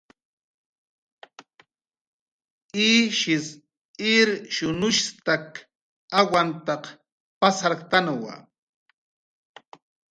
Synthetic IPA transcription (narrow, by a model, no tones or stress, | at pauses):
iːʃɪs | ɪɾʃʊnʊʃt̪ak | awant̪ɑq | pasaɾkt̪anawa̰